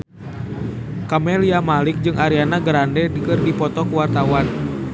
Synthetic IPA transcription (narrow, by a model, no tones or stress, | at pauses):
kamɛliamalik̚d͡ʒɨŋʔaɾianaɡəɾandɛdəkɨrdipɔt̪ɔkuwart̪awan